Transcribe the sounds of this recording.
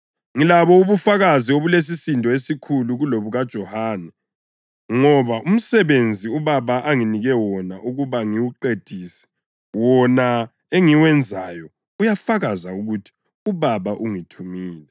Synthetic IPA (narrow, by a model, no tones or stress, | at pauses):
ŋilaβɔuβufaɣazioβules̬isintʼɔesikʰuluɣuloβuɣad̥ʒ̥ʱɔhanɛ | ŋɔβaʔum̩sɛβend͡zʱiuβaβaʔaŋiniɣɛwɔnaʔuɣuβaŋiwuǃed̥ʱiːsɛ̥ | wɔna | eŋiwɛnd͡zʱajɔ | ujafaɣazauɣutʰi̥ | uβaβaʔuŋitʰumiːlɛ